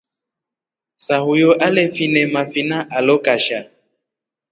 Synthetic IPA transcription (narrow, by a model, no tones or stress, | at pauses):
saɦujoʔalɛfinɛmafinaʔalokaʃa